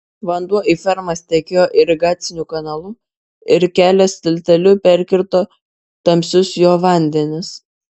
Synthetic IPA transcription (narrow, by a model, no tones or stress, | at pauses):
ʋɐnd̪uɔʔiːfʲɛɾmɐst̪ʲɛkʲeːjoːʔɪɾʲɪɡɑːt̪sʲɪnʲuːkɐnɐlˠʊ | ɪɾkʲæːlʲɛst̪ʲɪlʲt̪ʲɛlʲʊpʲæɾʲkʲɪɾt̪oː | t̪ɐmʲsʲʊsjoːʋɐˑnʲd̪ʲɛnʲɪs